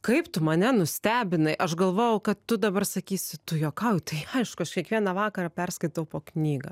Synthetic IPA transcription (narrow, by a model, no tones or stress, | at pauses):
kɐɪpt̪ʊmɐnʲɛnʊsʲt̪ʲæːbʲɪnɐɪʔɐʃɡɐlˠʋoːjɛʊkɐt̪ːʊd̪ɐbɐrsɐkʲiːsʲɪt̪ʊjoːkɐʊjt̪ɐɪɐɪʃkʊɐʃkʲiɛkʋʲiɛnɐʋɑːkɐɾɑːpʲɛrskɐɪt̪ɐʊpoːknʲiːɡɐ